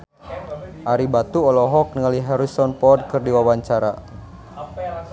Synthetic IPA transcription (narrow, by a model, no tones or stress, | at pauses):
ʔaɾibat̪uɔlɔɦɔk̚nəŋaliɦɛɾisɔnpɔd̚kɨrdiwawaɲt͡ʃaɾa̰